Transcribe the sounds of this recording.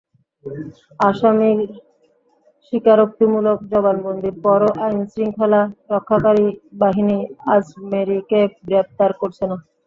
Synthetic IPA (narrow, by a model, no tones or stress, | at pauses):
aʃami | ʃikaɾok̚t̪imulok̚d͡ʑɔbanbond̪ʱiɾpɔɾoʔajnsɾiŋkʰɔlaɾɔkʰːakaɾibaɦiniasmeɾikeɡɾep̚t̪aɾkoɾt͡ɕʰena